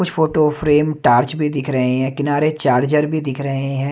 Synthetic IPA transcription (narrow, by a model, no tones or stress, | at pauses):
kʊt͡ʃʰfoːʈofɾeːmʈaːɾt͡ʃbʱid̪ɪkʰɾɐɦẽɦɛ̃ːkɪnaːɾet͡ʃaːɾd͡ʒəɾbʱid̪ɪkʰɾɐɦẽɦɛ̃ː